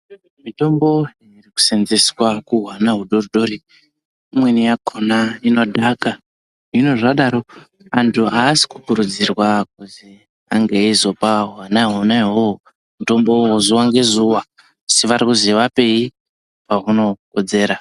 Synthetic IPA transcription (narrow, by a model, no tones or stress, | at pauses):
mito̞mbo̞iriku̥senzeswakuɦwanaɦuɗoruɗo̞ɾi | imwe̞nijakʰonaino̞dʱaka | ino̞ʐaɗaɾo̞ | antʰuaːsi̥ku̥kuɾud͡zirwak̚uzi | aŋɡeizo̞paɦwanaɦonaɦoo | muto̞mbo̞wozuwaŋɡe̞zuwa | siʋarikuziʋape̞i | paɦuno̞ko̞d͡ze̞ːɾa